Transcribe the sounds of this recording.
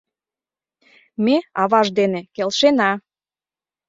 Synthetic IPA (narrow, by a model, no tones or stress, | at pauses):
meɑβɑʒd̪enekelʃenɑ